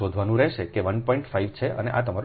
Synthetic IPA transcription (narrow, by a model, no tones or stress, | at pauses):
od̪ʱʋanũɾɛɦʃekeʋənpɔĩɳʈfaiʋt͡ʃʰeʔə̰neʔat̪əmaɾ